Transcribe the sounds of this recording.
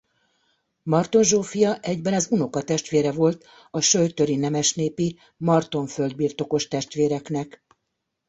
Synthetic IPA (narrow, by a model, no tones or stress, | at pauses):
mɒrt̪o̞nʒoːfijɒʔɛɟbɛnɒzuno̞kɒt̪ɛʃt̪ʋeːɾɛvo̞lt̪ | ɒʃøjt̪ø̞ɾinɛmɛʃneːpi | mɒrt̪o̞ɱføld̪̚biːrt̪o̞ko̞ʃt̪ɛʃt̪ʋeːɾɛknɛk